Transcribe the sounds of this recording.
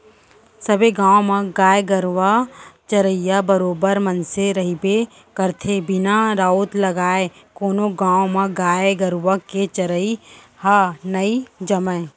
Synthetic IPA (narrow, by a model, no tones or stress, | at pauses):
səbeɡãːwõmãɡaːjɡəɾwat͡ʃəɾəɪjabəɾoːbəɾmənseɾɐɦibe | kəɾt̪ʰebɪnaɾaːot̪lɐɡaːekoːnõɡãːwmãɡaːɡəɾwaket͡ʃəɾəi | haːnəid͡ʒəmə